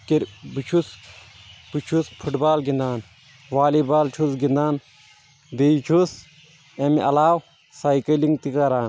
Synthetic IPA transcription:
kiɾbut͡ʃʰus | b̥ut͡ʃʰuspʰuʈbaːlɡind̪aːn | ʋaːlibaːlt͡ʃʰusɡind̪aːn | d̪ejt͡ʃʰus | emiɐlaːw | saːjkɐliŋɡt̪ikɐɾaːn

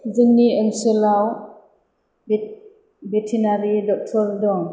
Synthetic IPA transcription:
zɯŋniənsəlaw | betʰinaɾidɔk̚tʰɔldɔŋ

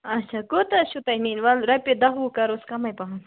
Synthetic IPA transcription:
ɐt͡ʃʰakot̪ɐʃut̪ɐninʋɐlɾɐjped̪ɐɦukɐɾoskɐmɐjpɐɦɐn

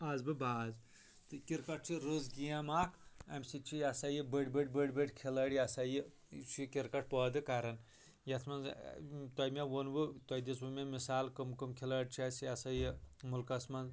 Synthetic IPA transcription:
ɐzbɨbaːz | t̪ɨkiɾkɐʈ̚t͡ʃʰiɾozɡiɐmaːkʰɐ̰msit͡ʃʰijɐsɐjibəɽʲbəɽʲbəbəʈʲkʰilɐɽʲiɐsɐji | t͡ʃʰikiɾkɐʈ̚ʰpɔːd̪ɨkɐɾɐn | jɐt̪ʰmɐnz̰t̪ɔjmʲewonbɨt̪ɔjd̪iswɨmʲemisaːlkɨmkɨmkʰilɐɽʲt͡ʃʰasiɐsɐjimulkɐsmɐnz

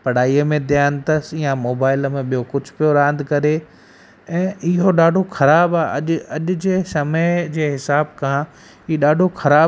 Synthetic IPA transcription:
pɐɽ̤aːijəmẽd̪jaːnt̪ɐsijãmoːbaːɪləmẽɓijokʊd͡ʑʱʊpijoɾãːnd̪ʱkɐɾe | ɛ̃ːʔɪɦoɗaːɖʱoxɐɾaːbaːʔɐʄɐʄʊd͡ʑeːsɐməɪd͡ʑeːɦɪsaːb̚kã | iːɗaːɖʱoxɐɾaː

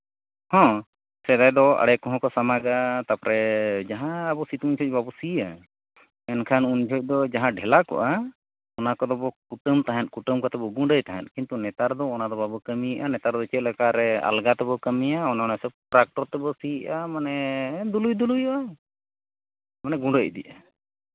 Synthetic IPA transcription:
hɔ̃ | sɛd̪ajd̪ɔa̰ɽɛkɔɦɔ̃kɔsamaɡat̪apɔɾɛd͡ʒaɦãːbɔsit̪uɲd͡ʒʱɔc̚babɔsiʔa | ɛnkʰanuɲd͡ʒʱɔc̚ˀd̪ɔd͡ʒaɦãɖʱɛlakɔ̰ʔa | ɔnakɔd̪ɔbɔkuʈəmt̪aɦɛt̪̚kuʈəmkɔt̪ɛbɔɡũɳɖəjt̪aɦɛ̰t̪̚kint̪unɛt̪aɾd̪ɔɔnad̪ɔbabɔkəmijʔanɛt̪aɾd̪ɔt͡ʃɛt̪̚lɛkaɾɛa̰lɡat̪ɛbɔkəmijaɔnaɔnasɔb̚ʈɾak̚ʈɔɾt̪ɛbɔsiʔamanɛd̪ulujd̪ulujɔʔa | manɛɡũɖəc̚d̪iʔa

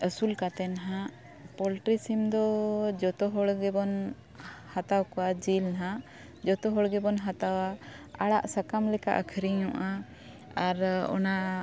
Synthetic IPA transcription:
əsulkat̪ɛnɦã | pɔlʈɾisimd̪ɔd͡ʒɔt̪ɔɦɔɽɡɛbɔn | hat̪awkɔwad͡ʒilɦa | d͡ʒɔt̪ɔɦɔɽɡɛbɔnɦat̪awaaɽaʔsakamlɛka̰ʔəkʰəɾiɲɔ̃ʔa | aɾɔ̰na

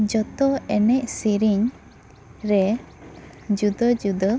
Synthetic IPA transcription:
d͡ʒɔt̪ɔɛnɛc̚siɾiɲ | ɾɛ | d͡ʒud̪əd͡ʒud̪ə

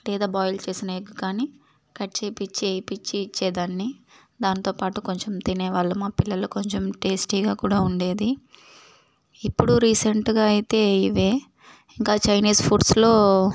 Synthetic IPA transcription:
leːd̪aːbaːjlt͡ʃe̞ːsinɐɡukːaːni | kɐʈt͡ʃeːpit͡ʃːejpit͡ʃːiːt͡ʃːɛːd̪aːnːi | d̪aːnit̪o̞ːpaːʈuko̞ɲt͡ʃemt̪ineːʋaːɭːumaːpilːɐlukoɲt͡ʃemʈeːsʈiːɡaːkuːɽaːuɳɖe̞ːd̪i | ipːuɽuɾiːseɳʈɡaːɐjit̪e̞ːiʋeː | iŋkaːt͡ʃɐjniːspʰuːɖslo̞ː

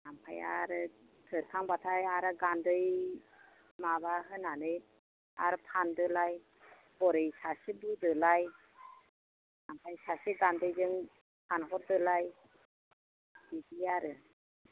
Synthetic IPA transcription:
nampʰaja̰ɾɯ | tʰɯɾkʰaŋbatʰajaɾɯɡandɯj | mabaɦɯnanɯj | a̰ɾɯpʰandɯlaj | bɔɾɯjsasibidɯlaj | nampʰajsasiɡandɯjzɯŋ | pʰanɦɔɾ̚dɯlaj | b̥idiaɾɯ

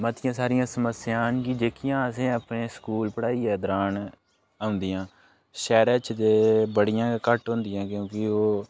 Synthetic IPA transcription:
mət̪ɪjãːsaːɾɪjãːsəməsɪjaːnkid͡ʒeːkɪjãːəsẽːəpɳeːskuːlpəɽaːiːɛːd̪əɾaːn | aːʊ̃nd̪ijãː | ʃɛːɾət͡ʃd̪eːbəɽɪjãːkəʈɦõnd̪ɪjãːkjõːkɪoː

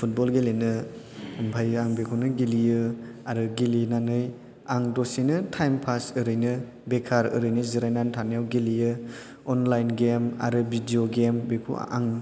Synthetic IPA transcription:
pʰut̚bɔlɡelenɯ | mbʰʱajaŋbekʰunɯɡiliɯaɾɯɡilinanɯj | aŋdosinɯtʰajmpʰasɯɾɯjnɯ | bekʰaɾɯ̰ɾɯjnɯziɾajnantʰanjawɡilijɯ | ɔnlajnɡema̰ɾɯbʱidioɡembekʰṵa̰ŋ

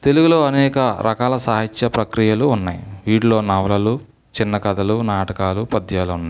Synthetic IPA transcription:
t̪e̞luɡulo̞ːɐnɛːkɐɾʔɐ̰kaːlɐsaːɦit͡ʃʃɐpɾɐkɾijɐluːnːaːjʋiːɽlo̞ːnɐʋlɐlu | t͡ʃinːɐkɐd̪ɐlunaːʈɐkaːlupɐd̪ʱjaːlunːa

